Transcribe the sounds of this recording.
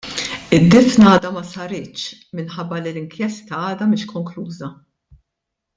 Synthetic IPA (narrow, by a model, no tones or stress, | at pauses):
ɪd̪ːɪfnɐːd̪ɐmɐsɐɾɪːt͡ʃ | mɪnħɐbːɐlilɪŋkjɛst̪ɐɐːd̪ɐmɪːʃkɔŋkluːzɐ